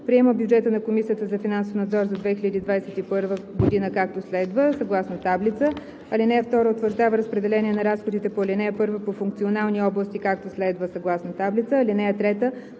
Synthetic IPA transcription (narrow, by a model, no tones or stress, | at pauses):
pɾiɛməbʲjʊd͡ʒɛt̪ənɐkomisijət̪əzɐfinansofnɐd̪zɔɾzɐd̪vɛxiʎʲəd̪iːd̪vajsɛt̪ipɤɾvəɡod̪inəkak̚t̪oslɛd̪vəsɐɡlˠasnot̪ablit̪sə | ɐlinɛɛft̪ɔɾəot̪vəɾʒd̪avəɾəspɾɛd̪ɛlɛnʲiɛnɐɾasxod̪it̪ɛpoɐlʲinɛɛpɤɾvəpofuŋk̚t̪sionalˠniɔblˠəst̪ikak̚t̪oslɛd̪vəsɐɡlˠasnot̪ablit̪səːlinɛɛt̪ɾɛt̪ə